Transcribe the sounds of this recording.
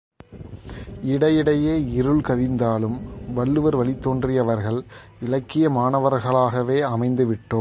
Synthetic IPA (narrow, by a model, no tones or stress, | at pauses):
ɪɽɐjɪɽɐjeːɪɾɯɭkɐʋɪnd̪aːlɯmʋɐɭːɯʋɐɾʋɐɭɪt̪ːoːndrɪjɐʋɐɾɣɐɭ | ɪlɐkːɪjɐmaːɳɐʋɐɾɣɐɭaːɣɐʋeːɐmɐɪnd̪ɯʋɪʈːoːm